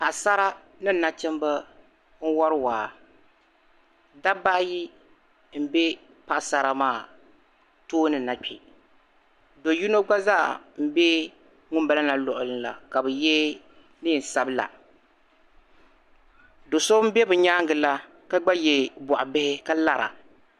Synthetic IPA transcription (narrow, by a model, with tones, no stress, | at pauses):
pa˨ʔsa˦ɾa˦ | nɨ˦˨na˨t͡ʃɛ˦mba˦ | n̩˦wɔ˦ɾɨ˦waː˨ | da˦ba˦ʔji˦ | m̩˦bɛ˦ | pa˨ʔsa˦ɾa˨maː˦˨ | toː˦nɨ˨na˨k͡pɛ˨ | do˨ju˦no˦ɡ͡ba˦za̰ː˦˨m̩˦bɛ˦ | ŋʊ˦mba˦la˦na˨lʊ˨ʔʊ˨lɨ˦nla̰˨ka˨bɨ˨jɛ˦ | nɨː˦˨n̩˨sa˦bɨ˦la̰˨ | do˨so˦m̩˦bɛ˦bɨ˨ɲaː˦ŋɡɨ˨la˦ | ka˦ɡ͡ba˦jɛ˨bɔ˨ʔa˨bɪ˦hɪ˦ka˦la˦ɾa̰˨